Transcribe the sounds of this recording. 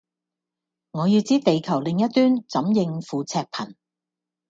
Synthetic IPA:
ŋɔː˨˧jiː˧wt͡siː˥t̪e˨˧jkʰɐ˨˩wlɪ˨ŋjɐ˥t̪̚yː˥nt͡sɐ˨˥mjɪ˧ŋfuː˨˧t͡sʰɛː˧k̚pʰɐ˨˩n

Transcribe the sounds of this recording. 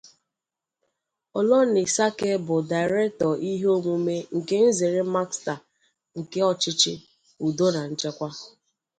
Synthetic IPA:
ɔ˨lɔ˦ne˨sa˦ke˦bʊ˨da˨ɪ˨ɾɛ˦k̚tɔ˨ʔi˦ɦo˦ŋʷu˦me˦ŋ̩˨ke˦n̩˦ze˨ɾe˦ma˦ksta˨ | ŋ̩˨ke˦ɔ˨t͡ʃɪ˦t͡ʃɪ̰˦ | u˨do˦na˨n̩˦t͡ʃe˦kʷa˦

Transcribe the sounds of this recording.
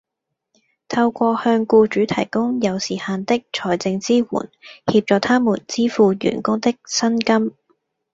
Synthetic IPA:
t̪ʰɐ˧wkʷɔː˧hœː˧ŋkuː˧t͡ʃyː˨˥t̪ʰɐ˨˩jkʊ˥ŋjɐ˨˧wsiː˨˩haː˧nt̪ɪ˥k̚t͡ʃʰɔː˨˩jt͡sɪ˧ŋt͡siː˥wṵː˨˩nhiː˧p̚t͡ʃɔː˨˧t̪ʰaː˥muː˨˩nt͡siː˥fuː˨˧jy̰ː˨˩nkʊ˥ŋt̪ɪ˥k̚sɐ˥nkɐ˥m

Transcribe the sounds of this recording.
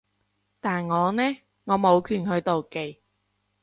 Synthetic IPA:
t̪aː˨nŋɔː˨˧nɛː˥ | ŋɔː˨˧mo˨˧wkʰyː˨˩nhɵ˨˧ɥt̪o˨wke˨j

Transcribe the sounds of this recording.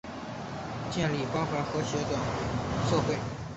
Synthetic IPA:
t͡ɕjɛ˥˩nli˨˩pɑ˥xwa˧˥nxɤ˧˥ɕɛ˧˥ʈ͡ʂwa˨˩ŋswɤ˥˧xwe˥˩

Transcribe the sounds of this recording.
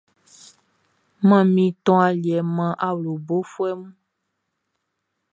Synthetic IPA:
mã˦˨mĩ˨t̪ɔ̃˦a˨li˨ɛ˨mã˦ʔa˦wlo˨bo˦fu˦ɛ˦mũ˦

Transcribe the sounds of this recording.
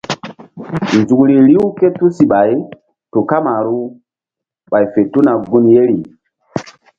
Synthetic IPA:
nzu˨kli˨ɾi˦wke˦tu˦si˨ɓa˨j | tu˨ka˦ma˨ɾu˦ | ɓa˨jfe˨tu˦na˨ɡu˦nje˦ɾi˨

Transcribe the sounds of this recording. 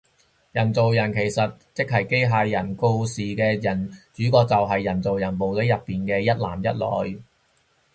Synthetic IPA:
jɐ˨˩nt͡so˨wjɐ˨˩nkʰe˨˩jsɐ˨t̚t͡sɪ˥k̚hɐ˨˩jke˥jɦaː˧jjɐ˨˩nko˧wsiː˨kɛː˧jɐ˨˩nt͡ʃyː˨˥kɔː˧k̚t͡sɐ˨wɦɐ˨jːɐ˨˩nt͡so˨wjɐ˨˩npo˨wt̪ɐ˨˥jɐ˨pːiː˨nkɛː˧jɐ˥t̚la̰ː˨˩mjɐ˥t̚lɔ̰ː˨˥j

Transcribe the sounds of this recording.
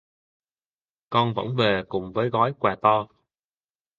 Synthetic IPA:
kɔ˧nvə̰˧˥nve˨˩kʊ˨˩ŋ͡mvəː˨˦jɣɔ˨˦jkwaː˨˩t̪ɔ˧

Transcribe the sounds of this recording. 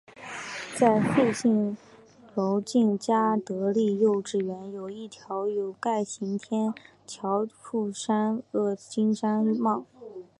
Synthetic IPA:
t͡sa˥˧ɪxwe˥˧ɕi˥˩ŋ | lo˧˥ʊt͡ɕi˥˩nt͡ɕja˥t̪ɤ˧˥li˥˧jo˥˧ʊʈ͡ʂɻ̩˥˩ɥɛ˧˥njo˨˩ʊi˥˩t̪ʰjɑ˧˥ʊjo˨˩ʊka˥˩ɪɕi˧˥ŋt̪ʰjɛ˥n | t͡ɕʰjɑ˧˥ʊfu˥˩ʂa˥nɤ˥˩t͡ɕi˥ŋʂa˥n˥mɑ˥˩ʊ

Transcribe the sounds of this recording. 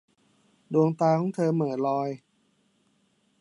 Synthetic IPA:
du˧əŋt̪aː˧kʰɔː˩˥ŋt̪ʰɤː˧mɤː˩˦lɔː˧j

